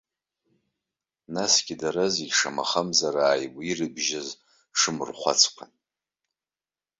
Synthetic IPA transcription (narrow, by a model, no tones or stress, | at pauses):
nasɡʲidaɾaziɡʲʂama̰χamzaɾaːjwʷirɨbʒaz | ʂɨmɨrχʷa̰t͡sʰkʷʰan